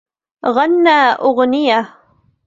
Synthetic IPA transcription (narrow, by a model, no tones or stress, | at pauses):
ɣanːaːʔʊɣnɪja